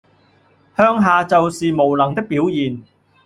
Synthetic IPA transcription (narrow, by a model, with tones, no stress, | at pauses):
hœː˥ŋɦaː˨t͡sɐ˨wsiː˨mo˨˩wlɐ˨˩ŋt̪ɪ˥k̚piː˨˥wjiː˨n